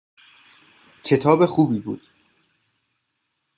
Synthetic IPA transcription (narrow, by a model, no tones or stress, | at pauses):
cʰe̞t̪ʰɒːbe̞xuːbiːbṵːd̪̥